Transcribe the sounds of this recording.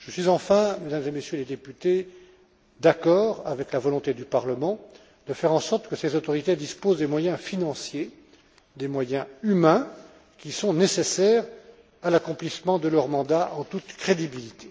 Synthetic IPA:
ʒ̥əsɥizɑ̃fɛ̃med̪amzemesjøled̪epyt̪e | d̪akɔːʁavɛklavɔlɔ̃t̪ed̪ypaʁləmɑ̃ | d̪̥əfɛʁɑ̃sɔʁt̪kəsezot̪ɔʁit̪ed̪ispozd̪emwajɛ̃finɑ̃sje | d̪emwajɛ̃ymɛ̃ | kʲisɔ̃nesesɛːʁ | alakɔ̃plismɑ̃d̪əlœʁmɑ̃d̪aʔɑ̃t̪ut̪kχed̪ibilit̪ʰe̥

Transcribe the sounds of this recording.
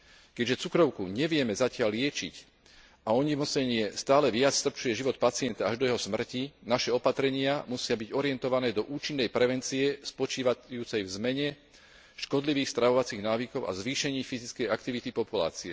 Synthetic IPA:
kɛɟʒɛt͡sukɾɔʊkuɲɛʋɪɛmɛzacɪallɪɛt͡ʃḭc | aɔɲimɔsɛɲɪɛst̪aːlɛʋɪat͡sst̪r̩pt͡ʃujɛʒiʋɔt̪̚pat͡sɪɛnt̪aaʒd̪ɔjɛɦɔsmr̩cinaʃɛɔpat̪ɾɛɲɪamusɪabiɟɔɾiɛnt̪ɔʋanɛːd̪ɔʔuːt͡ʃinːɛjpɾɛʋɛnt͡siɛspɔt͡ʃiːʋajuːt͡sɛjvzmɛɲɛ | ʃkɔd̪liʋiːxst̪ɾaʋɔʋat͡siɣnaːʋikɔʊa̰zʋiːʃɛɲiːfizit͡skɛjakt̪iʋit̪ipɔpula̰ːt͡siɛ

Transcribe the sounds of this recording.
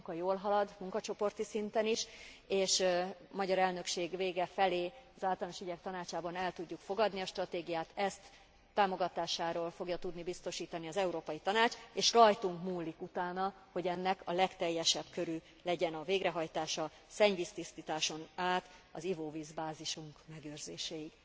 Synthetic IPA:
kɒjoːlɦɒlɒd̪muŋkɒt͡ʃo̞po̞rt̪isint̪ɛniʃeːʃmɒɟɒɾɛlnø̞kʃeːɡveːɡɛfɛleːɒzaːlt̪ɒlnoʃiɟɛk̚t̪ɒnaːt͡ʃaːbɒnɛlt̪uɟːukfo̞ɡɒd̪niɒʃt̪rɒt̪eːɡijaːt̪ɛst̪ː | aːmo̞ɡɒt̪aːʃaːɾoːlfo̞ɡjɒt̪ud̪nibist̪o̞ʃiːt̪ɒniɒzɛuɾoːpɒjit̪ɒnaːt͡ʃeːʃrɒjt̪uŋkmuːlːikut̪aːnɒho̞ɟɛnːɛkɒlɛkt̪ɛjːɛʃɛbkø̞ɾyː | lɛɟɛnɒveːɡɾɛɦɒjt̪aːʃɒ | sɛɲvist̪ist̪it̪aːʃo̞naːt̪ɒzivoːviːzbaːziʃuŋkmɛɡøːrzeːʃɛjiɡ

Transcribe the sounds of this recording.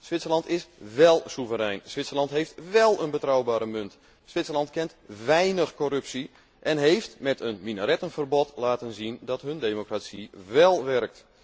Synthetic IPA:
sʋɪtsəlɑntɪsʋɛlˠsuvəɾɛjnsʋɪtsərlɑntɦejftʋɛlˠənbətrɔwbaːɾəmɵnt | sʋɪtsəlɑntkɛntʋɛjnəxkorɵpsi | ʔɛnɦejftmɛtənminəɾɛtənfərbɔtlaːtənzindɔtɦɵndeːmokrasiʋɛlˠʋɛrk̚t

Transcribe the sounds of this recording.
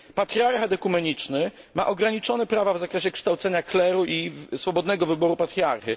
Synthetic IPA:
pat̪ɾʲiaɾxad̪ɛkumɛɲit͡ʂnɘ | maʔɔɡɾaɲit͡ʂɔnɛpɾavavzakɾɛɕɛkʂt̪awt̪sɛɲaklɛɾuʔisfɔbɔd̪nɛɡɔvɘbɔɾupat̪ɾʲiaɾxi

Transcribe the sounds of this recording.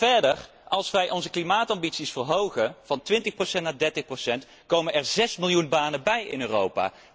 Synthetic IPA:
vɛɹdər | ɑlˠsʋɛjʔɔnzəklimaːtɑmbitsisfəɹɦowχənv̥ɑntʋɪntəχprosɛnt̚naːdɛɹtəχprowsɛnt | kowmənɛɹzɛsmɪlˠjunbaːnənbɛjɪ̰nøːrowpa̰ː

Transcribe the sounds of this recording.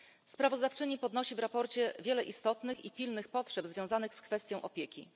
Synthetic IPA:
spɾavɔzd̪aft͡ʂɘɲipɔd̪nɔɕivɾapɔɾt͡ɕɛvʲjɛlɛʔist̪ɔt̪nɘxipʲilnɘxpɔtʂɛbzvʲjɔ̃zanɘxskfɛst̪ʲjɔw̃ʔɔpʲjɛkʲḭ

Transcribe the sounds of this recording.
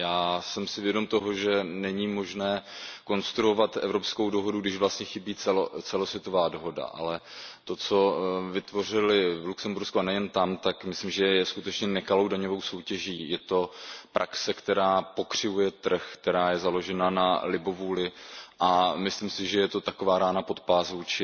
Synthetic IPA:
jaːsɛmsɪvjɛdo̞mt̪o̞ɦo̞ʒɛnɛɲiːmo̞ʒnɛːko̞nst̪ɾuo̞vat̪ʔɛ̰vɾo̞psko̞wdoɦo̞duɡdɪʃvlast̪ɲɛxɪbiːt͡sɛlot͡sɛlo̞svjɛt̪o̞vaːdo̞ɦo̞da̰ʔa̰lɛt̪o̞t͡so̞vɪt̪vo̞r̝ɪlɪvluksɛmbuɾskuanɛjɛnt̪amt̪akmɪslimʒɛjɛskut̪ɛt͡ʃɲɛnɛkalo̞wdaɲo̞vo̞wso̞wcɛʒiːjɛt̪o̞pɾʔaksɛkt̪ɛɾaːpo̞kr̝̥ɪvujɛt̪r̩xkt̪ɛɾaːjɛzalo̞ʒɛnanalɪbovuːlɪʔamɪslimsɪʒɛjɛt̪o̞t̪ako̞vaːɾaːnapo̞t̪̚paːsvuːt͡ʃɪ

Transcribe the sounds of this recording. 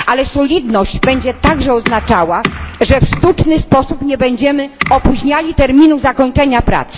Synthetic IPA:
ʔalɛsɔlʲid̪nɔʑd͡ʑbɛɲd͡ʑɛt̪aɡʐɛɔznat͡ʂawaʐɛfʂt̪ut͡ʂnɘspɔsupɲɛbɛɲd͡ʑɛmɘɔpuʑɲalʲit̪ɛɾmʲinuzakɔɲt͡ʂɛɲapɾa̰t̪s

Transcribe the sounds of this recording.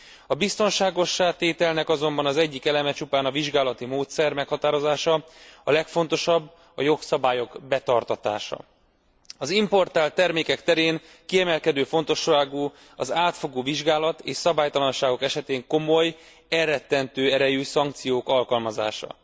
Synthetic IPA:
ɒbist̪o̞nʃaːɡo̞ʃːaːt̪eːt̪ɛlnɛkɒzo̞mbɒnɒzɛɟːikɛlɛmɛt͡ʃupaːnɒviʒɡaːlɒt̪imoːt̪sɛrmɛkhɒt̪aːɾo̞zaːʃɒɒlɛkfo̞n̪t̪o̞ʃɒbː | ɒjo̞ksɒbaːjo̞ɡbɛt̪ɒrt̪ɒt̪a̰ːʃɒ̰ | ɒzimpo̞rt̪aːlt̪ːɛrmeːkɛkt̪ɛɾeːŋ | kiɛmɛlkɛd̪øːfo̞n̪t̪o̞ʃːaːɡuː | ɒzaːt̪fo̞ɡoːviʒɡaːlɒt̪ḛːʃsɒbaːjt̪ɒlɒnʃaːɡo̞kɛʃɛt̪eːŋko̞mo̞j | ɛrːɛt̪ːɛnt̪øːɛɾɛjyːsɒŋk̚t̪sijoːkɒlkɒlmɒza̰ːʃɒ̰

